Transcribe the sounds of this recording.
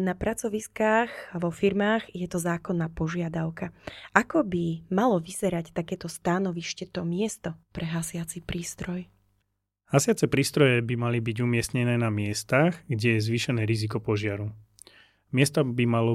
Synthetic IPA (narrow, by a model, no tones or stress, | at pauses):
napɾat͡sɔʋiskaːɣʋɔfiɾmaːɣjɛt̪ɔzaːkɔnːaːpɔʒɪad̪aʊkaʔakɔbimalɔʋizɛɾact̪akɛːt̪ɔst̪anɔʋiʃcɛt̪ɔmɪɛst̪ɔpɾʔɛɦasɪat͡sipɾiːst̪ɾɔj | hasɪat͡sɛpɾiːst̪ɾɔjɛbimalibiɟumɪɛsɲɛnɛːnamɪɛst̪aɣɡɟɛjɛzʋiːʃɛnɛːɾizik̬ɔpɔʒɪaɾu | mɪɛst̪ɔbimalɔ